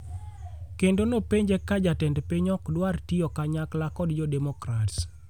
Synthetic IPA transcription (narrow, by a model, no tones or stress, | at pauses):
kendonopeɲd͡ʒekad͡ʒatɛndpeɲɔkdwartiɔkaɲaklakɔdd͡ʒɔdɛmɔkɾats